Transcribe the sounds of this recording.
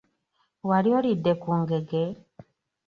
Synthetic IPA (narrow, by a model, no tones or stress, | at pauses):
waɾjɔɾidːekuŋɡeɡe